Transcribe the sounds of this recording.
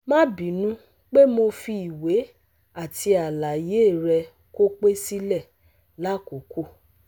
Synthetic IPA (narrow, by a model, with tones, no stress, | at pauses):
mã˦bĩ˨˦nũ˦ | k͡pe˦mo˧fi˧i˨we˨˦ | a˦˨ti˧a˨la˨je˨˦˨ɾɛ˧ | ko˦k͡pe˦si˦lɛ˦˨ | la˨˦˨ko˨˦ku˦